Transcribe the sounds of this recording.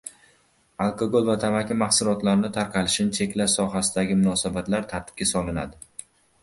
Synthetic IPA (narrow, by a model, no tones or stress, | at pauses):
alˠkʰoɡolˠvat̪ʰamakʲʰɪmaχsʊɾɒt̪laɾɪnɪt̪ʰaɾqʰɑlɪʃɪnɪt͡ʃʰe̞kʲlaʃsɒɦasɪd̪aɡʲɪmʊnɒsabat̪laɾt̪ʰaɾt̪ʰɪ̥p̚kʲasɒlˠɪna̰d̪ɪ